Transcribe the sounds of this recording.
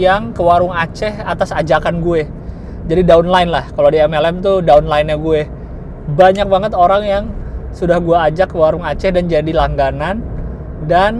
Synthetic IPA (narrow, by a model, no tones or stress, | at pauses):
jaŋkəwaɾʊŋat͡ʃɛhat̪asad͡ʒakanɡue | d͡ʒadidaunlaɪnlahkaladiɛmɛlɛmt̪udaunlaɪnaɡue | baɲak̚baŋət̪oɾaŋjaŋsudahɡuaːd͡ʒakːəwaɾʊŋat͡ʃɛhdand͡ʒadilaŋɡanan | dan